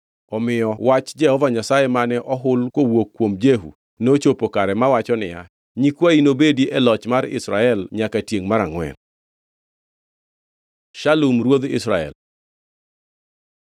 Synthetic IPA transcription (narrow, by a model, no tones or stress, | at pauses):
ɔmɪjɔwat͡ʃd͡ʒɛhɔvaɲasajemanɛʔɔɦʊlkowokːwomd͡ʒeɦṵ | not͡ʃopokaɾɛmawat͡ʃɔnɪja̰ | ɲikwainobediʔɛlɔt͡ʃmaɾɪ̰sɾaɛlɲakatjeŋmaɾaŋwɛ̰n | ʃalumɾwod̪ɪ̰sɾaɛ̰l